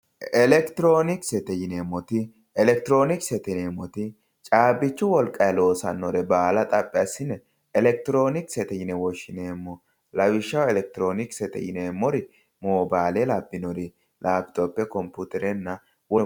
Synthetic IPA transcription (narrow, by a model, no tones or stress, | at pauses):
ɛlɛkt̪ɪɾo̞ːnɪksɛt̪ɛjɪnemːɔt̪ɪ | ɛlɛk̚t̪ɪɾo̞ːnɪksɛt̪ɛneːmːɔt̪ɪ | t͡ʃʼaːbɪt͡ʃːʊwɔlkʼɐjɛlo̞ːsɐ̰nːɔɾɛbaːlɐt̪ʼɐpʼːɪɐsɪnɛ | ɛlɛk̚t̪ɪɾo̞ːnɪksɛt̪ɛjɪnɛwɔʃɪneːmːɔ | lɐwɪʃːɐwɛlɛk̚t̪ɪɾoːnɪksɛt̪ɛ̰jɪneːmːɔɾɪ | moːbaːlelabːɪnɔɾɪ | lʔaːbɪt̪ɔpːɛkɔmput̪ɛɾɛnːɐ | wɔ